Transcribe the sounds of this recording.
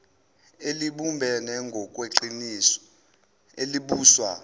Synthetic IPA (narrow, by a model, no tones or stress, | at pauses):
eliɓumbʱɛnɛŋɡʱɔkʼweǃinisɔ̥ | eliɓuːswa̰